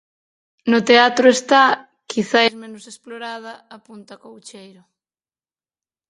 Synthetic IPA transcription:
nʊt̪eat̪ɾʊest̪a | kiθaezmẽnʊsesploɾað̞ɐapunt̪ɐkowt͡ʃejɾʊ

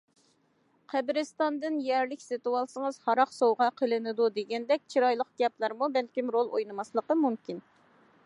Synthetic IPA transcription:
qʰæbɪɾɪst̪ɑnd̪ɨnjɛɾlɪkʲsɨt̪uwɑlˠsəŋəzhɑɾɑqsowʁɑqʰəlˠɨnɪd̪ud̪eɡʲɛnd̪ɛk̚ʲt͡ʃʰiɾɑjlˠəqɡ̥ʲɛplˠɑɾmubɛlkʲimɾolˠojnɨmɑslˠəqəmumkʲin

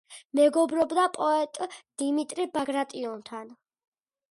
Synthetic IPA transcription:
mɛɡɔbɾɔbd̪apʼɔɛt̪ʼd̪̥imit̪ʼɾibaɡɾat̪ʼiɔnt̪ʰan

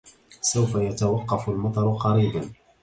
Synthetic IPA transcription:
sawfajat̪awɑqːɑfʊlmɑt̪ˤɑɾˤʊqɑɾiːban

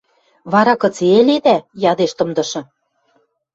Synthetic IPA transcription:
βɑɾɑkɤ̆t͡seeled̪æjɑd̪eʃt̪ɤ̆md̪ɤ̆ʃɤ̆

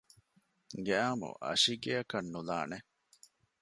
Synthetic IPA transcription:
ɡeaːmṵʔɐ̰ʃiɡeɐkɐnːula̰ːne

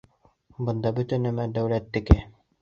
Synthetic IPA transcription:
bɤ̆nd̪ɑbɵt̪ɘnɘ̆mæd̪æwlæt̪ːɘ̆kɘ

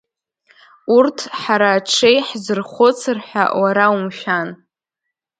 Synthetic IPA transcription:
urtʰħaɾaːʈ͡ʂʰejħzɨrχʷot͡sʰɨrħʷᶣa̰waɾaumʃᶣan

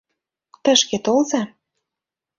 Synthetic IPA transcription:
t̪ə̆ʃket̪olzɑ

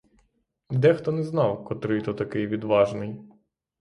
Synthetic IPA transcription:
d̪ɛxt̪ɔnɛznɑwkɔt̪ɾɪt̪ɔt̪ɐkɪjʋʲid̪ʋɑʒnɪj

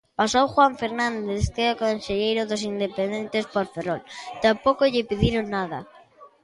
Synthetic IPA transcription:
pasowxwaɱfeɾnãnd̪eθkeokonseʎejɾoðos̬ind̪epend̪ent̪espoɾferolt̪ampokoʎɪpiðiɾonːaða̰

